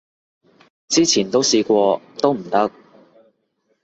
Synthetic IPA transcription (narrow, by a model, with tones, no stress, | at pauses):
t͡siː˥t͡sʰiː˨˩nt̪o˥wsiː˧kʷɔː˧t̪o˥wm̩˨˩t̪ɐ˥k̚